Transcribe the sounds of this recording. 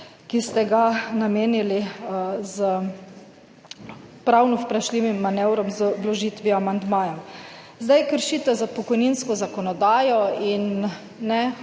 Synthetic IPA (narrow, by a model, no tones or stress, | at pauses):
kist̪ɛɡanameːnilizə | pɾawnɔwpɾaʃliʋimːanɛwɾɔmzblɔʒiːt̪ʋiamand̪maːjɔm | zd̪ajkəɾʃiːt̪ɛzapɔkɔjninskɔzakɔnɔd̪aːjɔinː | ɛ